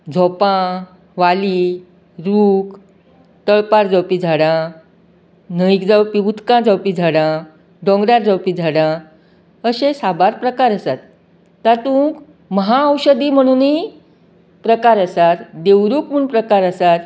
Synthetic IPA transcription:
d͡zʱɔpã | ʋali | ɾuːk | t̪əɭpaɾd͡zəwpid͡zʱaɽã | nəikd͡zawpiut̪kãd͡zəwpid͡zʱaɽã | ɖɔ̃ŋɡɾaɾd͡zəwpid͡zʱaɽã | əɕẽsabaɾpɾəkaɾəsat̪ː | at̪ũk | məɦaəwɕəd̪iːm̤əɽ̃uːni | pɾəkaɾəsat̪d̪ewɾuːkmuɳpɾəkaɾəsat̪

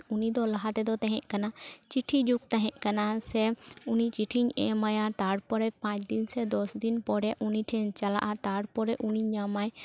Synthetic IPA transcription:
unid̪ɔlaɦat̪ɛd̪ɔt̪aɦɛ̃ʔkanat͡ʃiʈʰid͡ʒuk̚t̪aɦɛ̃ʔkanasɛunit͡ʃiʈʰiɲɛ̰majat̪aɽpɔɾɛpãt͡ʃd̪insɛd̪ɔsd̪inpɔɽɛʔuniʈʰɛ̃ɲt͡ʃala̰ʔat̪aɽpɔɾɛʔuniɲamaj

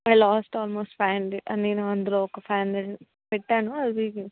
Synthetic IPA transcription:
ajlaːsʈɔːlmoːsʈfaːnliʔɐnneːnuɐnd̪ɐloːɔkɐpʰaːnɐ | pɛʈːaːnuɐd̪i

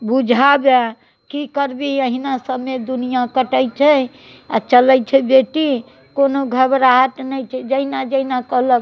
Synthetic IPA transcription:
bud͡ʒʱabe | kikəɾbiəɦinasəbmːed̪unijakəʈəjt͡ʃʰɛ | a̰t͡ʃələjt͡ʃʰɛbeʈi | konoɡʱəbɾaɦət̪nəjt͡ʃʰɛd͡ʒəɦinad͡ʒəɦinakəɦlək

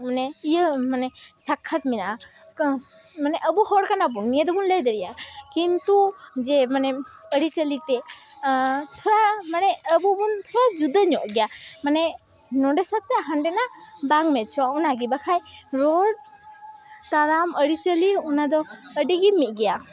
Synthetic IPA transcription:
manɛijəmanɛsakʰːat̪̚minaa | k | manɛʔəbuhɔɽkanabunijəd̪ɔbunləjd̪əɾijakint̪ud͡ʒɛmanɛəɽit͡ʃəlit̪ɛ | t̪ʰɔɾamanɛəbubunt̪ʰɔɽad͡ʒud̪aɲɔʔɡɛjamanɛ | nɔɖɛsat̪ːɛɦanɖɛnabaŋmɛt̪̚t͡ʃʰɔunaɡibakʰajɾɔɽ | t̪aɾaməɽit͡ʃəliunad̪ɔəɖiɡimit̪̚ˀɡɛja

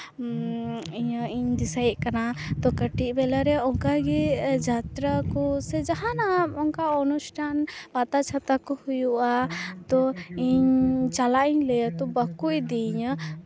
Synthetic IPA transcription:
iɲəiɲd̪isajʔkanat̪ɔkəʈiʔ̚bɛlaɾɛɔŋkaɡɛd͡ʒat̪ɾakɔsɛd͡ʒaɦanaɔŋkaɔnusʈʰanpat̪at͡ʃʰat̪akɔhujuʔat̪ɔiɲt͡ʃalaʔiɲlɛjət̪ɔbəkuʔd̪iiɲə

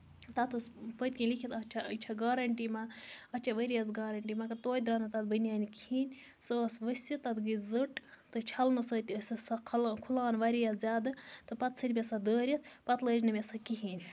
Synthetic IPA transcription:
t̪ɐt̪ɨspət̪̚ʲkʲinlikʰit̪ɐt͡ʃʰaɐt͡ʃʰaɡaːɾɐɳʈimaɐt͡ʃʰaʋɐɾijɐsɡaːɾɐɳʈimɐɡɐɾt̪oːjd̪ɾaːnɨt̪ɐt̪̚bənʲjaːnikhiːnʲ | səsʋɐsʲit̪ɐt̪ɡɨzɨʈt̪ɨt͡ʃʰɐlnɨsɐːt̪ʲiɐsʲɐsakʰlkʰulaːnʋɐɾijazʲaːd̪ɨt̪ɨpɐt̪sɨnʲbʲesad̪əːɾʲit̪̚ʰpɐt̪ləːd͡ʒnɨmʲesɐkiɦiːnʲ

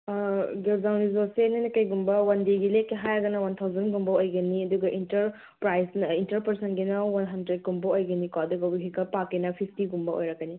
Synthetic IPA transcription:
ɡelzawnizosenɐnɐkɐjɡumbɐwɐndiɡilekːeɦajɐɡɐnɐwɐnt̪ʰawzɐnɡumbɐojɡɐniɐduɡɐʔintɐɾ | pɾajsnɐintɐɾpɐɾsɐnɡinɐwɐnɦɐndɾed̚kumbɐojɡɐnikad̪uɡɐbiɦikɐpakːenɐpʰipʰtiɡumbɐo̰jɾɐkːɐni

